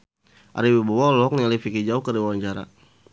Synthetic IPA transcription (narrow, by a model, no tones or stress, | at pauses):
ʔa̰ɾiwibawalɔknalifikid͡ʒaukəɾiwawaɲt͡ʃaɾa̰